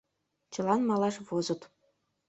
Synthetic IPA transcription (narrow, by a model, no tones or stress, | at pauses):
t͡ɕɤ̆lˠɑnmɑlˠɑʂvozɤ̆t̪